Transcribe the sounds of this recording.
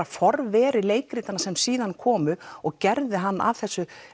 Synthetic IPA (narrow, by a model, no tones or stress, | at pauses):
afɔɾvɛːɾɪleːjkɾiːt̪anasɛmsiːðankʰɔːmʏɔɣcɛɾðɪɦanːa̰vθɛsːʏ